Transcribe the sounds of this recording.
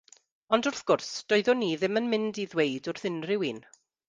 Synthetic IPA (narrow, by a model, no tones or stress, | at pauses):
ɔndʊrθɡ̥ʊrsd̥ɔɨðɔniːðɪmənmɪndiðwejdʊrθɪnrɪwiːn